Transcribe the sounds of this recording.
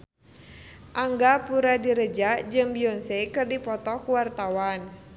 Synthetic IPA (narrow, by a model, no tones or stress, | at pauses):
ʔaŋɡapuɾadiɾəd͡ʒad͡ʒɨmbiɔnsekɨrdipɔt̪ɔkuwart̪awan